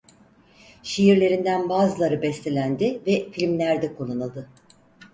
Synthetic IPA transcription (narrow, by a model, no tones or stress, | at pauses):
ʃejiɾlʲe̞ɾind̪ænbaːzɯlˠaɾɯbɛst̪ʰelʲænd̪ɪvɛfilʲmlʲæɾd̪ɛkʰolˠːanɯlˠd̪ɯ